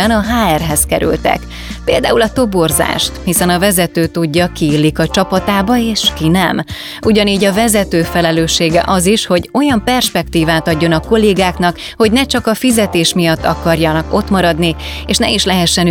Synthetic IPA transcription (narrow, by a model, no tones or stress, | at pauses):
ɛnɒɦaːɛrɦɛskɛɾy̰lt̪ɛ̰k | pḛːld̪a̰ːulɒt̪o̞bo̞rza̰ːʃt̪hisɛnɒvɛzɛt̪øːt̪uɟːɒkiːlːikɒt͡ʃɒpɒt̪aːbɒeːʃkinɛm | ʔuɟɒniːɟɒvɛzɛt̪øːfɛlɛløːʃːeːɡɛ̰ʔɒziʃho̞ɟo̞jɒmpɛrʃpɛkt̪iːvaːt̪ɒɟːo̞nɒko̞leːɡaːknɒk | ho̞ɟnɛt͡ʃɒkɒfizɛt̪eːʃmijɒt̪ːɒ̰kɒrjɒnɒko̞t̪mɒɾɒd̪ni | eːʃnɛiʃlɛɦɛʃːɛn